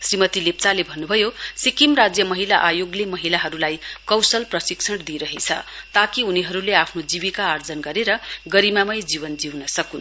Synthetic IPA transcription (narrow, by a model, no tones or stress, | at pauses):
srimʌt̪ilept͡salebʱʌnːubʱʌjosikimrad͡zjʌmʌɦilaʔajoɡlemʌɦilaɦʌɾulajkʌwsʌlprʌsiksʰʌɽd̪iɾʌɦet͡sʰʌ̰t̪akiuniɦʌɾuleapʰnod͡ziβikaʌrd͡zʌnɡʌɾeɾʌɡʌɾimamʌjd͡ziβʌnd͡ziwnʌsʌkun